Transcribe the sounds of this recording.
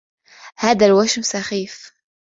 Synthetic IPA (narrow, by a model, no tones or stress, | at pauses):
hæːd̪ælwæʃmʊsæxiːf